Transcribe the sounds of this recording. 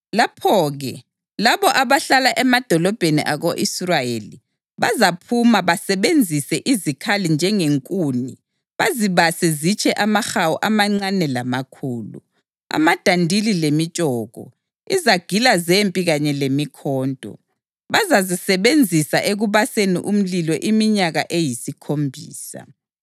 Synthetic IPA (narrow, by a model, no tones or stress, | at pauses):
lapʰɔɣɛ | laβɔʔaβaɬalaʔɛmad̥ʱɔlɔb̥ʱenḭʔaɣoʔisraeli | βa̰zapʰumaβasɛβend͡zʱisɛʔizikʰalind͡ʒʱɛŋeŋkʼuːni | βaziβasɛzit͡ʃʰʼɛʔamaxawuʔamaŋ͡ǀanɛlamakʰuːlṵ | a̰mad̥ʱandʱililemit͡ʃʼɔːɣɔ̰ | izaɡ̥ʱilazempʼiɣaɲɛlemikʰɔːndʱʼɔ̰ | βazazisɛβend͡zʱisaʔeɣuβasenḭʔum̩lilɔʔimiɲaɣaʔejisikʰombʱiːsa̰